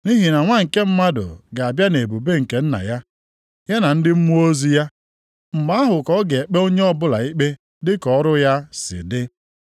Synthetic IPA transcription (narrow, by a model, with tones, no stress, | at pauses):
ni˦ɦi˨na˨ŋʷa˦ŋ̩˨ke˦m̩˦ma˦dʊ̰˨ɡa˨a˨bja˦ne˨bu˨be˦ŋ̩˨ke˨n̩˦na̰˨ja˦ | ja˦na˨n̩˦dɪ˦m̩˦mu˦o˦zi˦ja˦ | m̩˨ma˦a˦ɦʊ˨kɔ˦ɡe˨e˨k͡pe˦o˦ɲe˦ɔ˦bʊ˦la̰˨i˦k͡pe˦ | dɪ˦kɔ˨ɔ˦ɾʊ˦ja˦sɪ̰˨dɪ˦